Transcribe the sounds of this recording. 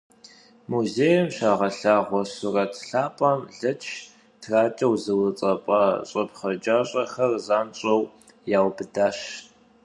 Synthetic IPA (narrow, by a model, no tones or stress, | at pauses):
muzeːjɐmɕaːʁɐɬaːʁʷɔsʊrɐtʰɬaːpʼɐmɮɐt͡ʃʰ | tʰraːt͡ʃʼɐwzɨwɨt͡sʼɐpʼɐɕʼɨpχɐd͡ʒʼaːɕʼɐxɐrzaːnt͡ʃʼɐw | jaːwbɨdaːɕ